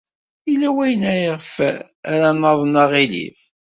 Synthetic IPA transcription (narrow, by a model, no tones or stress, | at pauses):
ilːæwæjənæjəʁf | æɾænːəðˤnɑʁilḭf